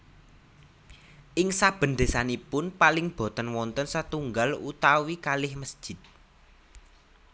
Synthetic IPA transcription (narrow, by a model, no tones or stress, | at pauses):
ʔɪŋsab̥ə̤nd̪e̤sanipʊnpalɪŋb̥ɔ̤t̪ənwɔnt̪ənsət̪uŋɡalut̪awikalɪhməsd̥ʒ̥ɪ̤t̪̚